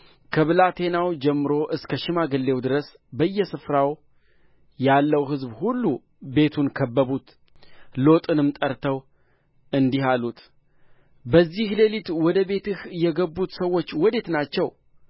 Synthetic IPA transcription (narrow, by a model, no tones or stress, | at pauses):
kʰəβɨlat̪ʰe̞nawd͡ʒɛmːɨɾo̞ʔɨskʰəʃɪmaɡɨlːe̞wd̪ɨɾəs | bəjːɛsɨfɾaw | jalːəwɦɨzbhulːu | be̞t̪ʰunkʰəbːəβut̪ | lo̞t̪ʼɨnɨmt̪ʼəɾt̪ʰəw | ɨnd̪iɦalut̪ | bəzːihle̞lit̪wɔd̪əbe̞t̪ɨhjɛɡəbːut̪səwːo̞t͡ʃːwɔd̪e̞t̪nat͡ʃːɛw